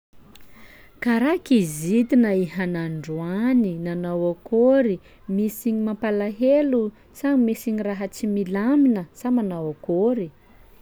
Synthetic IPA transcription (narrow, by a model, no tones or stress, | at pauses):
kaɾakizit̪inəihanaɳɖ͡ʐuaninanawakoɾi | misiɲimapalaɦelu | t͡saŋmisiɲiraɦət͡similaminəsamanawakoɾi